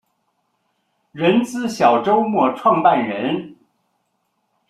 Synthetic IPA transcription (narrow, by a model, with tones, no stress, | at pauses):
ɻə˧˥nt͡sɹ̩˥˩ɕjɑ˨˩ʊʈ͡ʂo˥ʊmwɔ˥˧ʈ͡ʂʰwɑ˥˧ŋpa˥˩nɻə˧˥n